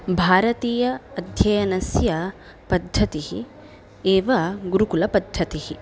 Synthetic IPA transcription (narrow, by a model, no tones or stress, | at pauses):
bʱaːɾɐt̪iːjɐːd̪ʱjɐjɐnɐsjɐ | pɐd̪ʱːɐt̪iɦi | eːʋɐɡuɾukulɐpɐd̪ʱːɐt̪ihi